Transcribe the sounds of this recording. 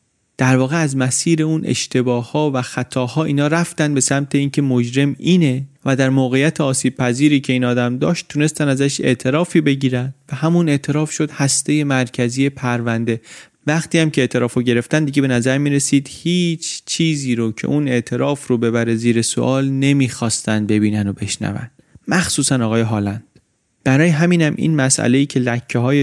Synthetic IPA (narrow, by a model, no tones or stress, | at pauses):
d̪̥æɾvɒːɣe̞æzmæsiːɾe̞uːnʔḛʃt̪ʰe̞bɒːhːɒːvæxæt̪ʰɒːhɒːʔiːnɒːɾæft̪ænd̪be̞sæmt̪ʰeiːncʰe̞mod͡ʒɾe̞miːne̞væd̪æɾmoːɣe̞jæt̪ʰeɒːsiːb̥̚pʰæziːɾiːcʰe̞iːnɒːd̪æmd̪ɒːʃt̪ʰːune̞st̪ænæzæʃe̞̰ʔt̪ʰe̞ɾɒːfiːbe̞ɟiːɾænd̪væhæmune̞ʔt̪ʰe̞ɾɒːfʃo̞d̪̥hæst̪e̞je̞mæɾcʰæzije̞pʰæɾvænd̪e̞ | væχt̪iːæmcʰe̞eːʔt̪ʰe̞ɾɒːfoɟe̞ɾe̞ft̪ænd̪iɟe̞be̞næzæɾmiːɾe̞siːd̪̥hiːt͡ʃʰt͡ʃʰiːziːɾocʰḛʔune̞ʔt̪ʰe̞ɾɒːfɾobe̞bæɾeziːɾe̞so̰ʔɒːlne̞miːxɒːst̪ænd̪̚be̞biːnænobe̞ʃnæ̰væ̰nd̪̥mæxsuːsænɒːɣɒːje̞ɦɒːlænd̪̥ | b̥æɾɒːjeɦæmiːnæmʔḭnmæsʔæ̰le̞iːcʰe̞læcʰːeɦɒːje